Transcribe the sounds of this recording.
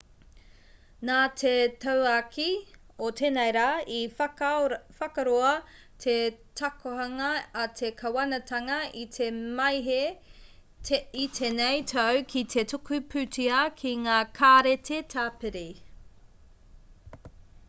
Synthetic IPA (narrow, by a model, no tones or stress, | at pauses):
naːtʰetɐwakʰi | ot̪ʰenejɾaːi | fɐkɐɾoɐ | t̪ʰetʰɐkʰoɦɐŋɐːt̪ʰekʰɐwɐnɐtʰɐŋɐʔit̪ʰemɐjɦe | itʰenejtʰɐwkʰitʰetʰukupʰʉtiɐkʰiŋaːkʰaɾetʰetʰaːpeɾi